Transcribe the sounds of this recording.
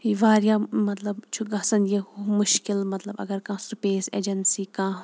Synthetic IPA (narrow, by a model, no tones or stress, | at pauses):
iʋaːɾjaːmɐt̪lɐbt͡ʃʰuɡɐsɐnjemʊʃkɪlmɐt̪lɐbɐ̰ɡɐɾkãːsupeːsḛːd͡ʒɐnsiːkãː